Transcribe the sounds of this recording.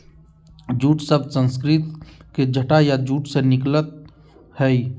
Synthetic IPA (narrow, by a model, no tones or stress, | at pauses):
d͡ʒuːʈsəbsə̃nskɾɪt̪ked͡ʒʱəʈajad͡ʒuːʈsenɪklət̪̚ | hɛi